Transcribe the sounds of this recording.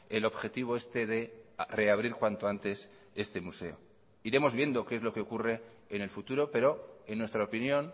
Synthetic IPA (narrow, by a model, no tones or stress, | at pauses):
e̞lo̞βxe̞t̪iβ̞o̞e̞st̪e̞ðe̞re̞aβ̞ɾiɾkwant̪o̞ant̪e̞s | e̞st̪e̞muse̞̰o̞̰ | iɾe̞mo̞zβje̞nd̪o̞keezlo̞keo̞kure̞ː | ne̞lfut̪uɾo̞pe̞ɾo̞enːwe̞st̪ɾaopinjõ̞n